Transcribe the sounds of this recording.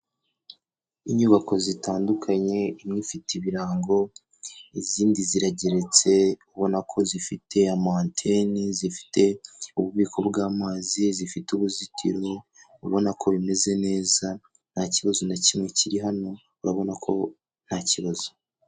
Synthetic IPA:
iɲuβako̞zitaːndukʰaɲe̞imɲifitiβiɾaːŋɡo̞ | iziːndiziɾaɟe̞ɾe̞t͡se̞uβo̞nakʰo̞zifitʰe̞amaːntʰe̞nizifi̥tʰe̞uβuβiːkʰo̞bɡaːmaːzizifituβuzitʰḭɾo | uβo̞nakʰo̞βime̞ze̞ne̞ːza | n̥haciβazonacimŋe̞ciɾiɦano̞ | uɾaβo̞nakʰo̞̰ | n̥haciβaz̥o

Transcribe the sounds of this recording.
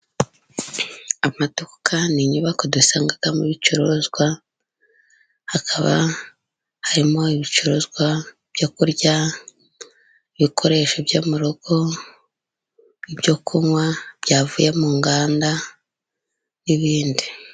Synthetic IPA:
amatokaniɲuβakodusaːŋɡaɡ̥amuβit͡ʃuɾozɡwa | hakʰaβa̰ | haɾimo̞iβit͡ʃuɾozɡwa | b̥jokuɾɟa | iβikʰo̞ɾe̞ːʃobjoːmuɾoɡ̥o̞ | ibjo̞kʰumwab̥jaːvuːjemuːŋɡaːnda | niβiːndi

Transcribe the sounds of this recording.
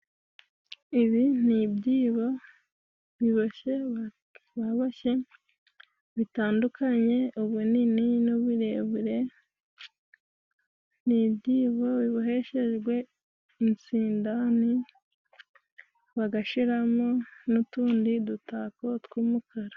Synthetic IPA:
iβin̥ibɟiːβo | βiβoçe̞ | βaβaçe̞ | βitaːndukaɲe̞uβunininuβuɾe̞βuɾe̞ | nibɟiːβo̞βiβuɦe̞ʃe̞ʒɡwe̞ | int͡siːndani | βaɡaʃiɾamonutuːndidutaːkotkumukʰaɾa

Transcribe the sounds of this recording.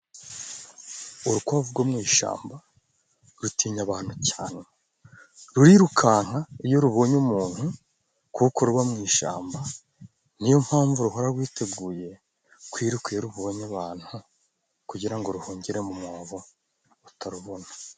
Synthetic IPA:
uɾukwavuɡwomŋiːʃa̰ːmba | ɾutʰiːɲaβaːn̥hucaːne̞ | ɾuɾiɾukʰaːŋ̥haijo̞ɾuβo̞ːɲumuːn̥hu | kuko̞ɾuβamŋiːʃa̰ːmba | n̥ijom̥haːɱvuɾuɦo̞ɾaɡwiːte̞ɡuːje̞ | kwiːɾukieɾuβoːɲaβaːn̥hu | kuɟiɾaŋɡo̞ɾuhoːɲɟiɾemumoːβo | utaɾuβonḁ

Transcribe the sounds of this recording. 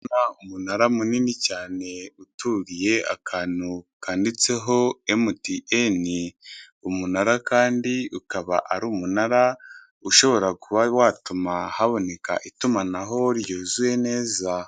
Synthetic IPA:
naumunaɾamuninicaːne̞utʰuːɾije̞a̰kʰaːnukaːndit͡se̞ɦo̞emutiʔeni | umunaɾakaːndiukaβa̰ʔaɾuːmunaɾa | uʃo̞βo̞ɾakuβawaːtumahaβo̞ne̞ka̰ʔitumanaɦo̞ɾjoːzuwe̞ne̞ːza

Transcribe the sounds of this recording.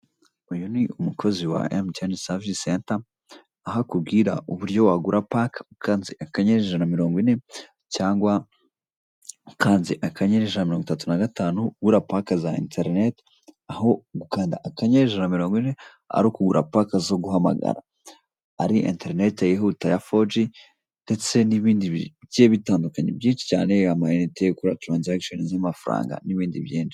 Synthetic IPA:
ujuniʔumukʰo̞ziwa̰emcanisavisentaː | ɦakubɡiːɾaʔuβuɾɟo̞waɡuɾʔapakḁkaːnziʔakaɲeɾeʒanamiɾo̞ːŋɡwine̞ | caːŋɡwa | kaːnziʔakaɲeɾeʒanamiɾoŋɡwitatunaɡataːnuɡuɾapakazaḭntʰeɾnet | aho̞ɡukaːndaʔakaɲeɾeʒanamiɾoːŋɡwine | a̰ɾokuɡuɾa̰pakazo̞ɡuɦama̰ɡa̰ɾa̰ | aɾiʔḭnteɾinetajeɦutajafod͡ʒi | nde̞t͡se̞niβiːndijeβitaːndukaɲḛbjiːnʃi̥ca̰ːne̞amajenitekuɾatɾaːnziakʃonizamafaɾa̰ːŋɡa̰niβiːndibjiːnʃi̥

